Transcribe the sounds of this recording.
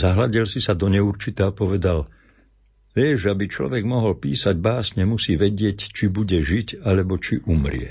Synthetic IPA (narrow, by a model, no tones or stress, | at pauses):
zaɦlaɟilsisad̪ɔɲɛuɾt͡ʃit̪ɛːpɔʋɛd̪al | ʋɪɛʒabit͡ʃlɔ̰ʋɛɡmɔɦɔlpiːsaɟbaːsɲɛmusiːʋɛɟɪɛct͡ʃibuɟɛʒiɟalɛbɔt͡ʃiʔumɾɪɛ̰